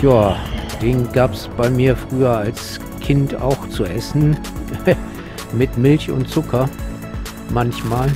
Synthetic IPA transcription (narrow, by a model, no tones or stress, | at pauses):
jaːd̥eːnɡaːpsb̥aɪmiːɐfʁ̥yːɐals | kʰɪnta̰ʊxt͡suʔɛsn̩ | mɪtmɪlçʊ̰ntt͡sʊkʰɐ | mançmaːl